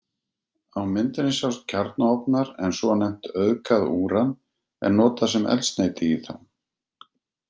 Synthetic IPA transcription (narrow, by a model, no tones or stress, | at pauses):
awmɪnt̪ɪnɪsjawst̪̚cʰaɾt̪naɔpnaɾɛnsɔanɛm̥t̪œðkaðuːɾan | ɛ̰nnɔːt̪asɛmɛ̰lst̪neːjt̪ɪiθa̰n